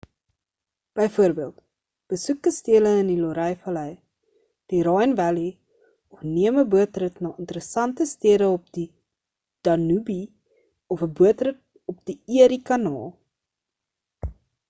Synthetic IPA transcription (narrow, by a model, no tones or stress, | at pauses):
b̥əjfuəɾbiəlˠt | b̥əsukəstiələəniloɾɛjfɐlɛj | d̥iɾɑjnvæli | ɔfniəməbuətrətnɑːəntəɾəsɐntəstiəɾəɔp̚di | d̥ɐnubi | ɔfəbuətrət̚ | ɔpd̥iiəɾikɐnɑ̰ːlˠ